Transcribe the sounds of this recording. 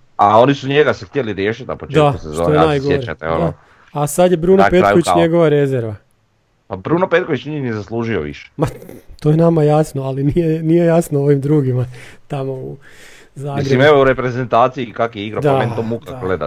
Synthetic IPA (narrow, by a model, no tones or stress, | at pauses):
ao̞nisuɲeɡasext̪jeliɾjeʃit̪apot͡ʃdeasezoojenajɡoeɾat̪eo̰d̪ao | asad̪jebɾuːnopetkoʋit͡ʃɲeɡo̞ʋaɾezeɾʋa | pabɾuːnopet̪koʋit͡ʃiɲiniezaslˠuːʒio̰ʋḭʃe̥mat̪ojenamajasnoalinijenije̞jasnoo̞ʋimd̪ɾuːɡimat̪amo̞u | zaːmiɡɾeimeʋouɾepɾezent̪aːt̪siikakjeiɡɾapd̪aenomukaɡled̪a̰